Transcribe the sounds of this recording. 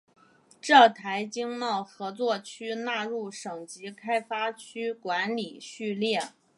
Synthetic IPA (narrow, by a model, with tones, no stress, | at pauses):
ʈ͡ʂɤ˥˩t̪ʰa˧˥ɪt͡ɕi˥ŋmɑ˥˩ʊxɤ˧˥t͡swɔ˥˩t͡ɕʰy˥na˥˧ɻu˥˩ʂɤ˨˩ŋt͡ɕi˧˥kʰa˥ɪfa˥t͡ɕʰy˥kwa˧˥nli˨˩ɕy˥˧ljɛ˥˩